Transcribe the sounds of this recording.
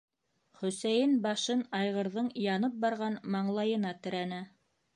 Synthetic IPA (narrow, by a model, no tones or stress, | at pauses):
χɵ̆sæjɘnbɑʃɤnɑjʁɤ̆ɾðɤɴjɑnɤp̚bɑɾʁɑnmɑɴlˠɑjɤ̆nɑt̪ɘ̆ɾænæ